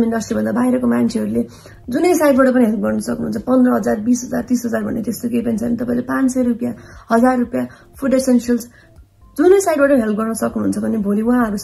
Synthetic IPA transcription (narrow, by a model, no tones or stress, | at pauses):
minɖʌsʈribʱʌ̃nd̪abajɾʌkomant͡sʰeɦʌɾule | d͡zunʌjsajʈbaʈʌp̬ʌniɦelp̚ɡʌrnʌsʌknuuːnt͡sʰʌpʌnd̪rʌɦʌd͡zarbisɦʌd͡zart̪isɦʌd͡zarbʱʌ̰nːet̪est̪okejpʌnt͡sʰʌnit̪ʌpaĩlepãnsʌjrupjahʌd͡zarːupja | pʰuɖesensils | d͡zunʌjsajʈ̚baʈʌɦelp̚ɡʌrnʌsʌknuɦunt͡sʰʌbʱʌnebʱoliuɦãɦʌɾu